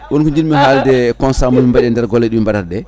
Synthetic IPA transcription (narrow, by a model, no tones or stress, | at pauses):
wɔnkɔɲd͡ʒinmiɦaldɛkɔnsamumimbaɗɛndɛɾɡɔlːɛɗumimbadaɾɗɛ